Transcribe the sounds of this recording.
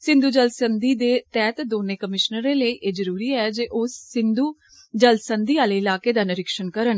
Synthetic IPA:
sɪ̃nd̪uːd͡ʒəlsənd̪iːd̪eːt̪ɛːt̪d̪oːneːkəmɪʃnəɾẽːləiːʔeːzəɾuːɾiːɛːd͡ʒeːʔʊsːɪnd̪uː | d͡ʒəlsənd̪iːaːleːɪlaːkeːd̪aːnɪɾɪkʃənkəɾən

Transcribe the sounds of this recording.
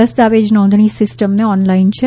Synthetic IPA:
əsd̪aʋed͡ʒnɔ̃nd̪ʱɳ̃ĩsɪsʈəmneɔnlaint͡ʃʰe

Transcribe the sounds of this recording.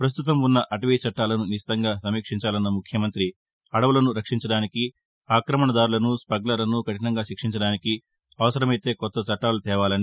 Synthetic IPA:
pɾɐs̬t̪ut̪ɐmunːɐʔɐʈɐʋiːt͡ʃɐʈːaːlɐnuniʃi̥t̪ɐŋɡaːsɐmiːkʂiɲt͡ʃaːlɐnːɐmukʰjɐmɐnt̪ɾi | ɐɽɐʋulɐnuɾɐkʂiɲt͡ʃɐɽaːniki | aːkɾɐmɐɳɐd̪aːɾulɐnuspɐɡlɐlɐnukɐʈinɐŋɡaːʃikʂiɲt͡ʃɐɽaːniki | ɐʋɐsɐɾɐmɐjt̪e̞ːkɔt̪ːɐt͡ʃɐʈːaːlɐt̪ɛːʋaːlɐni

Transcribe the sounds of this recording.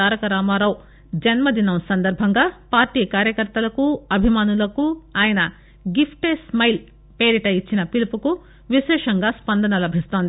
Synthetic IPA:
aːɾɐkɐɾaːmaːɾɐw | d͡ʒɐnmɐd̪inɐmsɐnd̪ɐɾbʱɐŋɡaːpaːɾʈiːkaːɾjɐkɐɾt̪ɐlɐkuɐbʱimaːnulɐkuaːjɐnɐ | ɡipʰʈeːsmɐjl | peːɾiʈɐjit͡ʃːinɐpilupuku | ʋiʃɛːʂɐŋɡaːspɐnd̪ɐnɐlɐbʱist̪o̞ːnd̪i

